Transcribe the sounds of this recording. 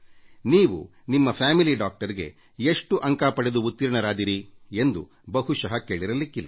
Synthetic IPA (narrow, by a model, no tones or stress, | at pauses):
niːʋṵ | nimːɐpʰaːmiliɖaːk̚ʈɐɾiɡe̞̰ | eʂʈuʔɐŋkaːpɐɽed̪uut̪ːiɾɳɐɾaːd̪iɾie̞nd̪u | bɐɦuʃɐɦɐke̞ːɭiɾɐlikːilːɐ